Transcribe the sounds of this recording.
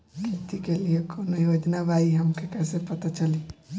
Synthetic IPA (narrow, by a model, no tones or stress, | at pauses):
ket̪ikeliekʰonojoːd͡ʒnabaiɦɐmkʰekɛːsepɐt̪at͡ʃɐli